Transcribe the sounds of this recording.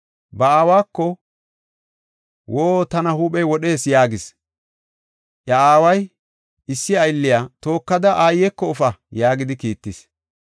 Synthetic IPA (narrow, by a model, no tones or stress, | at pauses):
bɐaːwaːkːɔ | woːt̪ɐnɐhuːpɛjwɔɗe̞ːsjaːɡɪs | ʔjɐaːwɐj | ɪsːɪɐjlːɪjaːt̪o̞ːkːɐd̪ɐʔaːjːɛkːɔɔfɐjaːɡɪd̪ɪkiːt̪ːɪs